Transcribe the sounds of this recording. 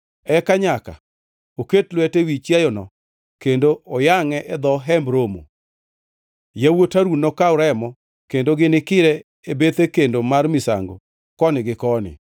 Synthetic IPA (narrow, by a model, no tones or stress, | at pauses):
ɛkaɲaka̰ | oketlwɛtewit͡ʃjajɔnɔ̰ | kendoɔjaŋɛʔɛd̪ɔɦɛmbɾomo̰ | jawotaɾunɔkaʊɾɛmɔ | kendoɡɪnɪkɪɾɛ | ebet̪ekendomarmɪsa̰ŋɡo̰ | kɔnɪɡɪkɔnɪ̰